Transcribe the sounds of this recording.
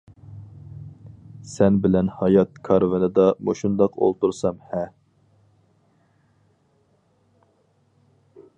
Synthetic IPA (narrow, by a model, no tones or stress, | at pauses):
sɛnbɪlɛnhɑjɑt̪̚kʰɑɾvɪnɨd̪ɑmo̰ʃund̪ɑqʰo̰lˠt̪uɾsɑmhɛ